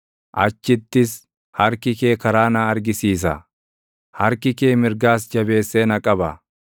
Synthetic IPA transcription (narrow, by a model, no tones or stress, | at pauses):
ʔɐt͡ʃːɪt̪ːɪs | hɐɾkɪke̞ːkɐɾaːnaːɐɾɡɪsiːs̬ɐ̰ | hɐɾkɪkeːmɪɾɡaːsd͡ʒɐbe̞ːsːeːnɐkʼɐbɐ